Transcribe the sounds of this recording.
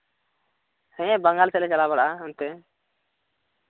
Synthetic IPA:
hɛ̃bəŋɡalsɛlɛt͡ʃalabaɽʔaunt̪ɛ

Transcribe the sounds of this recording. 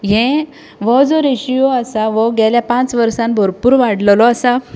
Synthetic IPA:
ɦɛ̃ | ʋɔd͡zɔɾeɕijoəsaʋɔɡɛljapãt͡sʋəɾsãnbʱɔɾpuːɾʋaɽllɔasa

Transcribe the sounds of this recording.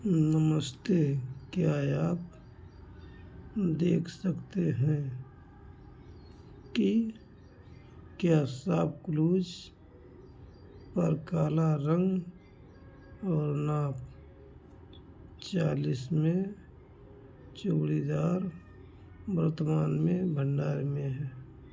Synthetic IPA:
nəməst̪ekjaːaːp̚ | d̪eːkʰsəkt̪eɦɛ̃ | ki | kjaːsaːb̚kluːd͡ʒ | pəɾkaːlaɾə̃ŋɡ | ɔːɾnaːp | t͡ʃaːlismẽ | t͡ʃoːɽid̪aːɾ | bəɾt̪maːnmẽbʱə̃ɳɖaːɾimẽɦɛː

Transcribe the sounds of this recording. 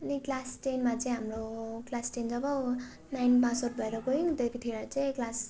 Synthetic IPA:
ʌniklasʈenmat͡saʌĩɦamroɡlasʈend͡zʌbʌ | najnpasoʈ̚bʱʌeɾʌɡoiŋd̪epʰit̪ʰiɾat͡sʌ̃ĩklas

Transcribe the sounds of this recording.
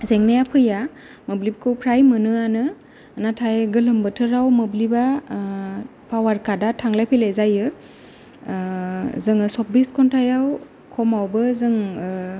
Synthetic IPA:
zeŋnajapʰɯja | mɯblib̚kʰɯwpʰɾajmɯnɯanɯ | natʰajɡɯlɯmbɯtʰɯɾawmɯbliba | pʰawaɾkadatʰaŋlajpʰilezajɯ | zɯŋɯsɔp̚biskʰɔntʰajaw | kʰɔmawbɯzɯŋ

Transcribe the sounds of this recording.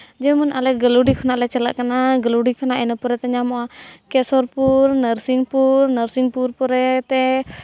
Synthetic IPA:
d͡ʒɛmənʔalɛʔ̚ɡəluɽikʰɔnaʔlɛt͡ʃalaʔkanaɡəluɽikʰanaʔɛnəpuɾɛt̪ɛɲamɔʔakɛsɔɾpuɾnəɾsiŋpuɾnəɾsiŋpuɾpɔɾɛt̪ɛ

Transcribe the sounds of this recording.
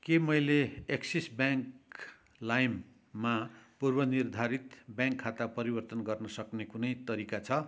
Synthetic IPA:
kemʌjleeksisbjaŋk | lajmː | apurbʌnird̪ʱaɾit̪bjãŋkʰːat̪apʌɾibʌrt̪ʌnɡʌrnʌsʌknekunʌjt̪ʌɾikat͡sʰʌ

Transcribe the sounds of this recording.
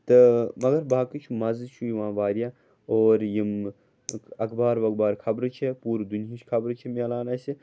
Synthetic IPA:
t̪ɨmɐɡɐɾbaːkit͡ʃʰumɐzɨt͡ʃʰujiʋãːʋaːɾja | oːɾjim | ɐkbaːɾʋɐk̚baːɾkʰɐbɾɨt͡ʃʰepuːɾd̪unijiʃkʰɐbɾɨt͡ʃʰimeːlaːnɐsi

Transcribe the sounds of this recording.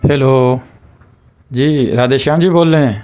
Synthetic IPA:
heːloː | d͡ʒiːɾaːd̪eːʃãːmd͡ʒiːboːlːẽ

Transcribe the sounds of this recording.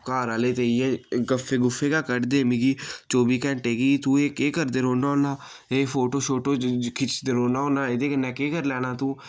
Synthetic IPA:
kaːɾaːleːt̪eːijɛkəfʰːeːɡʊfʰːeːkaːkəɾd̪eːmɪɡiːt͡ʃoːbiːkɛ̃ɳʈeːɡiːt̪uːeːkeːkəɾd̪eːɾoːnaːonaː | eːpʰoːʈoːʃoːʈoːkʰɪt͡ʃd̪eɾoːnaːoːnaːed̪eːkənːɛ̃ːkeːkəɾlɛːnaːt̪ũː

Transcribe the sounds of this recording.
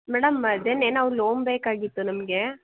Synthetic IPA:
mɛːɽɐmd̪eneːnːɐʋɐɾloːmbeːkaːɡɪt̪ːɯnɐmɐɡe

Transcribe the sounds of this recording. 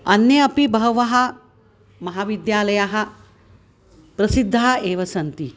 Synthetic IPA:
ɐnjɐɐpibɐɦɐʋɐɦɐ | mɐɦaːʋid̪jaːlɐjaɦɐ | pɾɐsid̪ʱːaeːʋɐsɐnt̪i

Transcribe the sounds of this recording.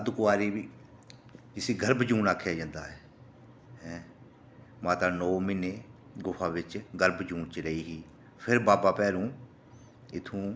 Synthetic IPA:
əd̪kʊaːɾiːʋiː | ɪsiːɡəɾbd͡ʒũːnaːkʰːjaːd͡ʒãːnd̪a̰ːɦɛ | ɦɛ̃ː | mãːt̪aːnoːmɪneː | ɡʊpʰãːʋɪt͡ʃɡəɾbd͡ʒũːnt͡ʃɾəiːɦiː | pʰɪɾbaːbaːpɛːɾũː | ɪt̪ʰũː

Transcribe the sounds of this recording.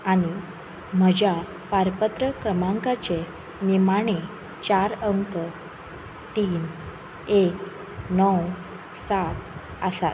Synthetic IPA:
añi | m̤əd͡ʑa | paɾpət̪ɾəkɾəmãŋkat͡ɕe | nimaɽ̃e | t͡ɕaɾəŋkə | t̪iːn | ek | nɔw | sat̪ | əsa̰t̪̚

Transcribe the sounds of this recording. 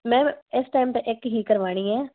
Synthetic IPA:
mɛ̃ːɪsʈaːɪmt̪eʔɪkɦiːkəɾʋaːɽ̃iːɛː

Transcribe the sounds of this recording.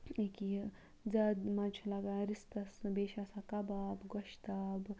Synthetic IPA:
eki | d͡zɐd̪mɐt͡ʃʰulɐɡaɾist̪ɐsbeːʃasakɐbaːbɡoʃt̪aːb

